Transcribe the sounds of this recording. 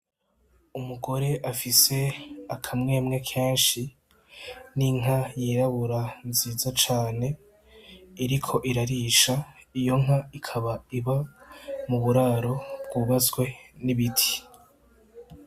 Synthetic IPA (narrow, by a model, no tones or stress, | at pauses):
umuɡo̞ɾe̞ʔafise̞akʰamŋe̞ːmŋe̞kʰẽ̞ːnʃi | niŋ̥ɦajiːɾaβuɾanziːzat͡ʃaːne̞ | iɾikʰo̞ʔiɾaɾiʃaijo̞ŋɦaikʰaβaiβamuβuɾaːɾo̞b̚ɡuːβazɡwe̞niβitʰi̥